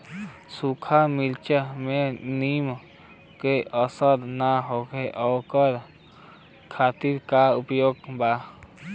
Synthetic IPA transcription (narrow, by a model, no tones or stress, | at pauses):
sukʰamilt͡ʃəmenim | keəsəɾnaɦokʰeʔɔkəɾ | kʰaːt̪iɾkaupjoːɡba